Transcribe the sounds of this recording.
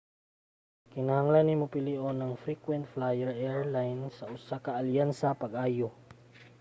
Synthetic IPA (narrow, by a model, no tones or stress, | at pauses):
kɪnahaŋlanːimopɪliʔonɐŋfɾikwɛnt̪̚flajɛɹʔɛɹlajnsɐʔʊsakɐʔːljansapɐɡʔaːjo